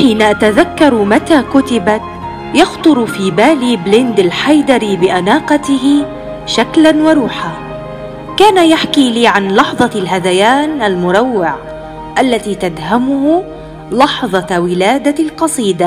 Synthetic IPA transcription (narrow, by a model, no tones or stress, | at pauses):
ħiːnaʔat̪aðakːɑɾˤmat̪aːkʊt̪ɪbat̪ | jɑxt̪ˤʊɾfiːbaːliːblɪnd̪alħajd̪ɑɾibɪʔanaːqɑt̪ɪɦɪ | ʃaklanwɑɾˤuːħaː | kaːnajaħkiːliːʕanlɑħðˤɑlɦad̪ajaːnʔalmʊɾˤɑwːɪʕ | ʔalːat̪iːt̪ad̪hamʊhʊ | lɑħðˤɑwɪlaːd̪alqɑsˤiːd̪a